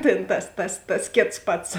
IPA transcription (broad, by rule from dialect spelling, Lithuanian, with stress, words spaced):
tʲeːn ˈtɐs ˈtɐs ˈtɐs ˈkʲeːts ˈpɐts